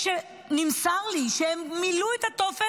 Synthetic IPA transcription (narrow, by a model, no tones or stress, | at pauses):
ʃe | nimsaʁliʃeemːiluet̪at̪ofe